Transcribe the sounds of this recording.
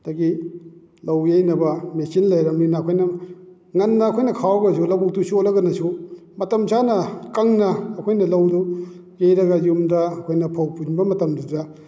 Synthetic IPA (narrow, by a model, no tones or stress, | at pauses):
d̥aɡi | lɐwjejnɐbɐmesinlajɾɐminaːkʰojnɐ | ŋɐnːɐːkʰojnɐkʰawɐɡɐsulɐwbuk̚tusiolɐɡɐnɐsumɐtɐmsʰanɐkɐŋnɐːkʰojnɐlɐwdu | jejɾɐɡajumdɐɐkʰojnɐpʰawpunbɐmɐtɐmdiza